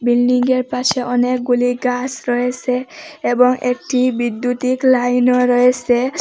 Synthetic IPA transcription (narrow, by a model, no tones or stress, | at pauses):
bilɖiŋɡeɹpaseʔɔnek̚ɡuliɡasɾɔeseebɔŋʔek̚ʈibid̪ːjut̪iklajnɔɾɔese